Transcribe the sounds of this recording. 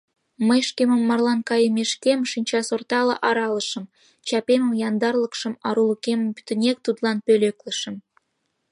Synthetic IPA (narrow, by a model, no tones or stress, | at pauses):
mə̆jʃkʲemə̆mːɑrlˠɑnkɑjəmʲeʃkʲemʃinʲt͡ɕɑsort̪ɑlɤ̰̆ʔɑɾɑlˠɤ̆ʃɤ̆m | t͡ɕɑpʲemə̆mjɑnd̪ɑrlˠɤ̆kʃɤ̆mɑɾulˠukʲemə̆mpy̥t̪ɘ̆nʲek̚t̪ud̪lˠɑnpʲølʲeklʲə̆ʃə̆m